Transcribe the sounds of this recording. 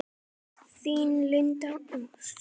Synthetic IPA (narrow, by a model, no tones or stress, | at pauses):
siːnlintãũ